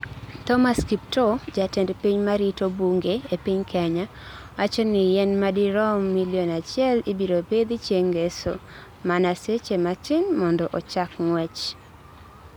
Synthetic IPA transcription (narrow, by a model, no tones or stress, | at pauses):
tɔmaskip̚tod͡ʒatɛndpiɲmaɾitobuŋɡeepiɲkʰaɲa | wat͡ʃɔnɪjɛnmadiɾɔmmːiljonat͡ʃɪɛlibiɾoped̪it͡ʃjeŋɡeso̰ | manaset͡ʃemat͡ʃɪnmɔndɔʔɔt͡ʃakŋwɛt͡ʃ